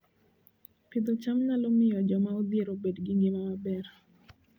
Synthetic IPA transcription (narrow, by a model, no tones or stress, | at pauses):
pɪd̪ot͡ʃamnalomɪjɔd͡ʒɔmaod̪jeɾobedɡiŋɡemamabɛɾ